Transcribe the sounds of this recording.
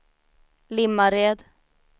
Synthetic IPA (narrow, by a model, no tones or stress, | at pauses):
lɪmːaɾeːd̪